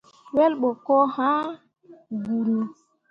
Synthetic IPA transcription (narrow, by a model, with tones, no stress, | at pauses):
wɛ˦lɓɔ˨kɔ˦ha˦ | ɡu˨ɾu˨